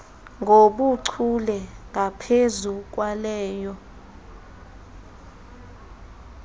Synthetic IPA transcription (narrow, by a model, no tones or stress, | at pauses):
ŋɡʱoɓuǀʰulɛŋɡʱapʰezuk̬walɛːjɔ